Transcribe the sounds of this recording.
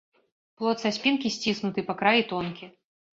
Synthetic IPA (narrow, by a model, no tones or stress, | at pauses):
plˠɔt̪sasʲpʲinkʲisʲt͡sʲisnut̪ɨpakɾajit̪ɔnkʲi